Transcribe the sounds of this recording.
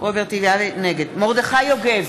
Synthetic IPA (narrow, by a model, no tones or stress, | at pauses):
obeʁt̪iviaveneɡed̪moʁd̪eχajoɡev